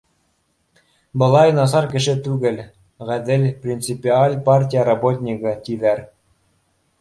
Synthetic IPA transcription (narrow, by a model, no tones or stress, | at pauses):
bɤ̆lˠɑjnɑs̬ɑɾkɘ̆ʃɘt̪ʉɡɘ̆lʲ | ʁæd̪ɘlʲprʲint̪t͡sɨpʲialʲparʲtʲijəɾɑbot̪ʲnʲikɤ̆t̪ʲiðæɾ